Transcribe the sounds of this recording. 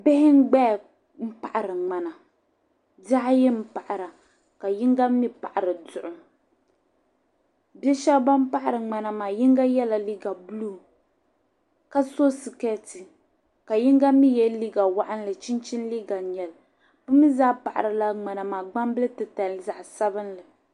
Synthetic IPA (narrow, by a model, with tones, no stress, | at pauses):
bɪ˦hɪ˦ŋ̩˦ɡ͡bɛ˦˨ | m̩˦pa˦ʔa˨ɾɨ˨ŋ͡ma˨na˨ | da˦jɛ˦m̩˦pa˨ʔa˨ɾa˨ | ka˨ji˦ŋɡa˦mi˦pa˨ʔa˨ɾɨ˨dʊ˨ʔʊ˨ | bɛ˦ʃɛ˦bba˦m˦pa˦ʔa˦˨ɾɨ˨ŋ͡ma˨na˨maː˨ji˦ŋɡa˦jɛ˦la˨li˦ɡa˨blu˦ | ka˦so˦si˨kɛ˦ti˨ | ka˨ji˦ŋɡa˦mi˦jɛ˦li˦ɡa˨wa˦ʔa˦n˦lɨ˨t͡ʃi˦nt͡ʃi˦nli˦ɡa˨ɲɛ˨l | pɨ˦mi˦zaː˦pa˨ʔa̰˨ɾɨ˨la˦ŋ͡ma˨na˨maː˨ɡ͡ba˦mbɨ˦lɨ˦tɨ˨ta˨lza˨ʔsa˦bɨ˦nlɨ˨